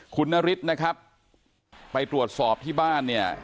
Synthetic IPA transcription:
kʰu˧nːa˦˥ɾi˦˥t̪̚na˦˥kʰɾa˦˥p̚ː | a˧jt̪ɾu˨˩ət̪̚sɔː˨˩p̚t̪ʰiː˥˩baː˥˩nːi˥˩ɐ

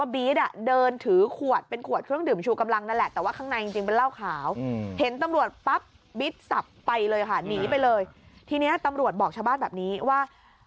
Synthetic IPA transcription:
biː˦˥t̪̚ʔa˨˩dɤː˧nt̪ʰɯː˩˦kʰu˨˩ət̪̚pe˧nkʰu˨˩ət̪̚kʰɾɯ˥˩əŋdɯː˨˩mt͡ɕʰuː˧˩ka˧mla˧ŋna˥˩lɛ˨˩ʔt̪ɛː˨˩waː˥˩kʰa˥˩ŋna˧jt͡ɕi˧ŋt͡ɕi˧ŋpe˧nlaː˥˩wkʰaː˩˦whe˩˦nt̪a˧mɾu˨˩ət̪̚pa˦˥p̚ | bi˦˥t̪̚sa˨˩pːa˧jlɤː˧jkʰa˥˩niː˩˦pa˧jlɤː˧jt̪ʰiː˧ni˦˥ɐt̪a˧mɾu˨˩ət̪̚bɔː˨˩k̚t͡ɕʰaː˧wbaː˥˩nbɛː˨˩p̚niː˦˥waː˥˩

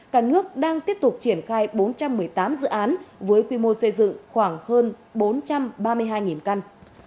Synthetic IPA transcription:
kaː˧˩k̚nɨ˦˥ək̚ɗaː˧ŋt̪i˦˥əp̚t̪ʊ˨˩k͡p̚t͡ɕi˧˩ənxaː˧jɓo˨˦nt͡ɕa˧mːɨ˨˩əjt̪aː˨˦mzɨ̰˧˨ʔaː˨˦nvəː˨˦jkwi˧mo˧sə˧jzɨ̰˧˨ŋxwaː˧˩ŋhəː˧nɓo˨˦nt͡ɕa˧mɓaː˧mɨ˧əjɦaː˧jŋi˨˩nka˧n

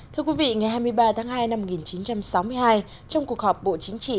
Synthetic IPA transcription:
t̪ʰɨ˧əkwi˨˦vḭ˧˨ŋa˨˩jɦaː˧jmɨ˧əjɓaː˧t̪ʰaː˨˦ŋɦaː˧jna˧mːo˩ŋi˨˩nt͡ɕi˨˦nt͡ɕa˧msa˨˦wmɨ˧əjhaː˧j | t͡ɕɔ˧wŋ͡mku˨˩ək̚hɔː˨˩p̚ɓo̰˧˨t͡ɕï˨˦ŋ̟t͡ɕḭ˧˨

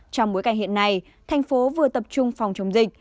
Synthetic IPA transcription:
t͡ɕɔ˧ŋ͡mɓo˨˦jka˧jŋ̟hḭ˧˨ənːa˧j | t̪ʰa˨˩jŋ̟fo˨˦vɨ˨˩ət̪ə˨˩p̚t͡ɕʊ˧ŋ͡mfa˨˩wŋ͡mt͡ɕə˨˦wŋ͡mzï˨˩k̟̚

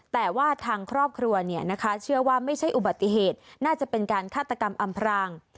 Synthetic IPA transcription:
t̪ɛː˨˩waː˥˩t̪ʰaː˧ŋkʰɾɔː˥˩p̚kʰɾu˧ɐni˥˩ɐna˦˥kʰa˦˥t͡ɕʰɯ˥˩ɐwaː˥˩ma˥˩jt͡ɕʰa˥˩jʔu˨ba˨˩t̪ːi˧˩ɦeː˨˩t̪̚naː˥˩t͡ɕa˨˩pe˧nkaː˧nkʰaː˥˩t̪ːa˧ka˧mʔa˧mpʰɾaː˧ŋ

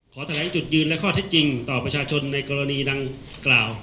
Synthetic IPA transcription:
kʰɔː˩˦t̪ʰa˧lɛː˨˩˦ŋt͡ɕu˨˩t̪̚jɯː˧nlɛ˦˥kʰɔː˥˩t̪ʰe˦˥t̪̚t͡ɕi˧ŋt̪ɔː˨˩pɾa˧t͡ɕʰaː˧t͡ɕʰo˧nːa˧jkɔː˧ɾa˧niː˧da˧ŋ | klaː˨˩w

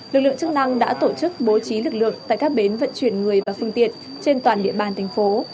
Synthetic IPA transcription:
lɨ˨˩k̚lɨ̰˧˨əŋt͡ɕɨ˦˥k̚na˧ŋɗa̰ː˧˥t̪o˧˩t͡ɕɨ˦˥k̚ɓo˨˦t͡ɕi˨˦lɨ˨˩k̚lɨ̰˧˨əŋt̪a̰ː˧˨kaː˦˥k̚ɓe˨˦nvə̰˧˨nt͡ɕwi˧˩ənŋɨ˨˩əjvaː˨˩fɨ˧əŋt̪ḭ˧˨ən | t͡ɕe˧nt̪waː˨˩nɗḭ˧˨əɓaː˨˩nt̪ʰɛ˨˩jŋ̟fo˨˦

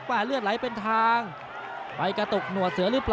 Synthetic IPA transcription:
kwaː˥˩lɯ˥˩ət̪̚la˨˦jpe˧nt̪ʰaː˧ŋ | pa˧jka˧t̪o˨˩k̚nu˨˩ət̪̚sɯ˨˩˦ɐlɯː˨˦˥pl

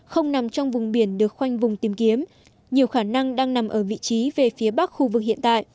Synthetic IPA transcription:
xə˧wŋ͡mna˨˩mt͡ɕɔ˧wŋ͡mvʊ˨˩ŋ͡mɓi˧˩ənɗɨ˨˩ək̚xwa˧jŋ̟vʊ˨˩ŋ͡mt̪i˨˦mki˨˦əm | ɲi˨˩əwxaː˧˩na˧ŋɗaː˧ŋna˨˩mʔəː˧˩vḭ˧˨t͡ɕi˨˦ve˨˩fi˨˦əɓa˦˥k̚xu˧vɨ˨˩k̚hḭ˧˨ənt̪a̰ː˧˨jʔ

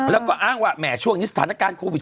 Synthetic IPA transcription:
lə˨˦kɔ˨˦ʔaː˧nwa̰ː˧˨mɛ̰˧˩su˧ə˨ŋɲɨ˦st̪aː˧nə˦˥kaː˧nxu˧vi˨˩

